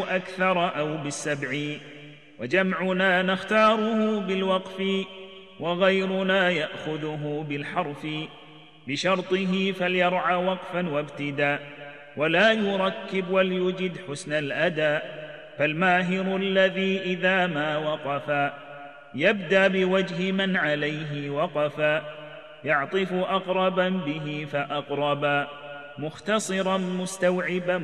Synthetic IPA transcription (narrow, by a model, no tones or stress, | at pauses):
ʔakθɑɾˤʔawbɪsːabʕiːn | wad͡ʒamʕʊnaːnaxt̪ɑːɾˤʊhʊbɪlwɑqfɪ | wɑɣajɾʊnaːjaʔxʊðʊɦʊbɪlħɑɾˤfɪ | bɪʃɑɾˤt̪ˤɨɦɪfaljɑɾˤʕaːwɑqfanwabt̪ɪd̪aːʔ | walaːjʊɾˤɑkːɪbwaljʊd͡ʒɪd̪ħʊsnalʔad̪aːʔ | falmaːɦɪɾʊlːaðiːʔɪðaːmaːwɑqɑfaː | jabd̪aʔbɪwad͡ʒɦɪmanʕalajɦɪwɑqɑfaː | jɑʕt̪ˤɨfʊʔɑqɾˤɑbabɪɦɪfaʔɑqɾˤɑbaː | mʊxt̪ɑsˤɨɾˤɑnmʊst̪awʕɪba